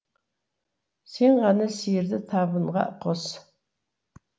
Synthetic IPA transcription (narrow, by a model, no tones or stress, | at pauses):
seːnʁɑnɐsird̪ɐtʰaːbɨnʁɑ̰ʔqɔs